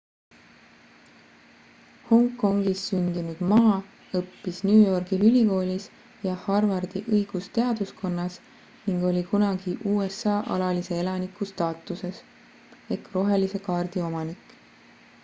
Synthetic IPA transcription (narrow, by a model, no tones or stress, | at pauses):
ho̞ŋkːˑo̞ŋɡ̥isːynd̪̥inud̪̥mɑː | ɤpːisnuːjo̞rɡ̥iylʲiko̞ːlʲis | jɑhɑrvɑrd̪iʔɤjɡ̥ust̪e̞ɑd̪̥usko̞nːɑs | niŋɡ̥o̞lʲikunɑɡ̥iʔuːesːɑːʔɑ̰lɑlise̞e̞lɑnikˑust̪ɑːt̪ːˑuse̞s | e̞kro̞ɦe̞lise̞kɑːrd̪̥io̞mɑnikːˑ